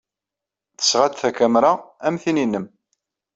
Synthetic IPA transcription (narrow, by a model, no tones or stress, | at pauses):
θə̥sʁad̪θækæmɾaæmθininːəm